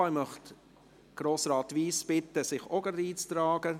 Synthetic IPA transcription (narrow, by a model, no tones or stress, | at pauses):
ajmœχt | ɡ̥ɾoːsɾɑːt̪ʋiːsb̥ɪtəsɪχɔɡəɾdiːt͡st̪ɾɑːɡ̥ə